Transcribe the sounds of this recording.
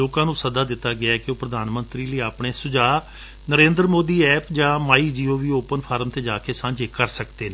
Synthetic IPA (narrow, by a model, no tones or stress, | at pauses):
oːkãːnũːsəd̪aːd̪ɪt̪ːaːɡɪaːɛkɪoːpɾəd̪ʱaːnmənt̪ɾiːləiːaːpɳeːsʊd͡ʒaː | nəɾẽːnd̪ɾəmoːd̪iːɛːpʰd͡ʒãːmaːiːd͡ʒiːoːʋiːoːpənpʰaːɾmt̪eːd͡ʒaːkeːsãːɲd͡ʒeːkəɾsəkd̪eːneː